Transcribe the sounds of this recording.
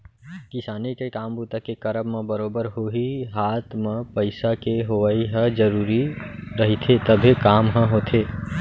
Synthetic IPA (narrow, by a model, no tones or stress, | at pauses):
kɪsaːnikekaːmbut̪akekəɾəbmẽbəɾoːbəɾɦoɦiɦaːt̪mẽpəɪsakeɦoʋaiɦə̃d͡ʒəɾuːɾiɾəɦit̪ʰet̪əbʱikaːmɦə̃ɦoːt̪ʰe